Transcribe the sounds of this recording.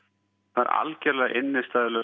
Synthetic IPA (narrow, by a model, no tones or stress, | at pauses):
θa̰ɾa̰lcɛɾlɛðaʔɪnːɪst̪aːðɪlɛ